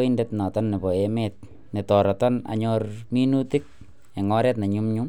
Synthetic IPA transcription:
indetna˨tɔnːe˨bɔ˨emɛt̚ | ne˨tɔ˨ɾɔ˨tɔ˦na̰˨ɲɔrmi˦nu˦tɪ˦k̚ | e˨ŋɔ˦ɾɛː˦t̬na˨ɲu˦mɲum

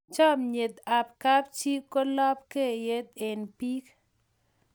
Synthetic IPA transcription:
t͡ʃɔ˦mɲe˨d̪a˨pka˦p̚t͡ʃi˦kːo˦lɔ˦p̚ke˦˨je˦d̪̚e˨npi˦k

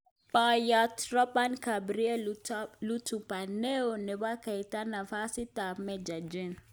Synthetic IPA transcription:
pa˨ja˨tɾɔ˦pa˦nka˨bɾi˦ɛ˦lu˦tu˨pa˨ne˦o˨nɛ˨βa˦ka˨jta˦na˨fa˦si˦ta˨mɛ˨d͡ʒa˨d͡ʒi˦n

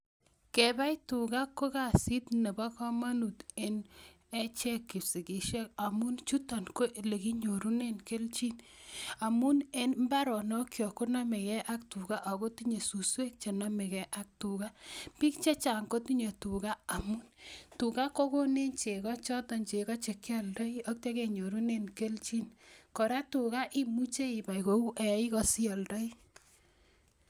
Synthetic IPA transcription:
ke˨ba˦jtu˨ɡa˦ko˦ka˨si˦tne˨ba˦kɔ˦ma˦nu˨te˨n | e˦t͡ʃɛ˦kːi˨si˨ki˨ʃɛ˦ka˨mu˦nt͡ʃu˦ta˨nko˦le˨ki˦ɲo˨ɾu˦ne˦nke˦lt͡ʃi˦n | a˨mu˦ne˦nmba˦ɾɔ˨nɔ˦kjɔ˨ko˦na˦me˨kɛ˦ʔa˦k̚tu˨ɡa˦ʔa˨ko˦ti˦ɲe˨su˨swe˦k̚t͡ʃe˨na˦me˨kɛ˦ʔa˦k̚tu˨ɣa˦pi˦kt͡ʃe˦t͡ʃa˨ŋko˦tu˦ɲe˨tu˨ka˦a˨mu˦ntu˨ka˦ko˦ko˦ne˦nt͡ʃe˨kɔ˦t͡ʃɔ˦tɔ˨ɲt͡ʃe˨kɔ˦t͡ʃe˨kja˦˨ldɔ˦i˦ɔ˦k̚te˦ke˨ɲo˨ɾu˦ne˦nke˦lt͡ʃi˦nkɔ˨ɾa˦tu˨ka˦ʔi˦mu˦t͡ʃe˦i˨ba˨iko˨u˦ʔɛ˨˦i˦kɔ˨si˦ɔ˨ldɔ˦i˦

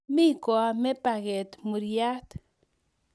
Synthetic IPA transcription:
mi˦ko˨a˨me˦paɡe˨t̪mu˨ɾja˦t̪

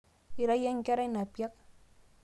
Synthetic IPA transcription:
i˨ɾa˦ja˦ŋ˦ka˦ɾa˦i˦na˨pja˦k̚

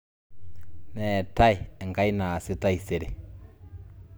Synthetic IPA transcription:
nɛ˨ta˦i˨ɛ˨ŋɡa˦i˦na˨si˦ta˦i˨se˨ɾe˨

